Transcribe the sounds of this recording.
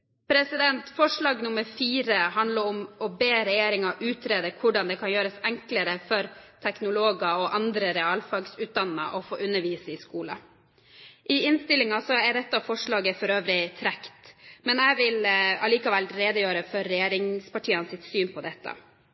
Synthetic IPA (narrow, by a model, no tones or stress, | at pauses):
pʰɾɛsɪd̪ɛnt̪fɔʂɭɑːɡnʊməɾfiːɾəɦɑnd̪ləɾʊmɔbeːɾɛjeːɾɪŋɑʔʉːt̪ʰɾeːd̪əkʰʊɖɑnd̪ɛkʰɑnjøːɾəsɛŋkləɾəfɔɾt̪ʰɛknʊloːɡɑɔʔɑnd̪ɾəɾɛɑːlfɑɡsʉːt̪̚d̪ɑnːə̰ʔɔfo̰ːʔʉnːəɾʋiːsəɪskuːlɑ̰ | ʔɪɪnst̪ɪlːɪŋɑsɔɛɖ̪ɛt̪ːɑfɔʂɭɑːɡəfɔɾøːʋɾɪt̪ʰɾɛkt̪mɛnæɪʋɪlɑliːkɑʋɛlɾeːd̪əjøːɾəfɔɾːɛjeːɾɪŋspɑʈʰiːənsɪt̪syːnpʰɔd̪ɛt̪ːɑ̰